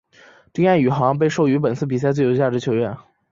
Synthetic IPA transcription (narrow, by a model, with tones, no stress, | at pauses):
ʈ͡ʂi˥ŋa˥˩ny˨˩xɑ˧˥ŋp̬e˥˧ɪʂo˥˩ʊy˧˥p̬ə˨˩nt͡sʰɹ̩˥˩p̬i˨˩s̬a˥˧ɪt͡swe˥˩ɪjo˥t͡ɕja˥˩ʈ͡ʂɻ̩˧˥t͡ɕʰo˧˥ʊɥɛ˥˩n